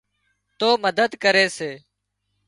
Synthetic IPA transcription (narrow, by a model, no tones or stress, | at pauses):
t̪oːməd̪əd̪kəɾeːseː